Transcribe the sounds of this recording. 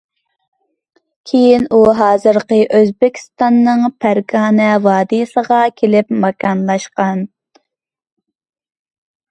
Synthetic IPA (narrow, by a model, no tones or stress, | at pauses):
kʲʰejinuɦɑːzɨɾqəʔøzbɪkʲʰi̥st̪ɑnːɨŋpʰæɾɡɑːnɛwɑːd̪isəʁɑkʲʰelɪpmɑkʰɑnlˠɑʃqɑn